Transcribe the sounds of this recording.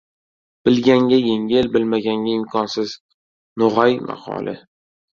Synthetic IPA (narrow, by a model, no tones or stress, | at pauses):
b̥ɪlɡʲaŋɡʲajeŋʲɪlbɪlmaɡʲaŋɡʲaɪmkʰɒnsɪz | noʁajma̰qʰɒ̰lˠʔɪ̰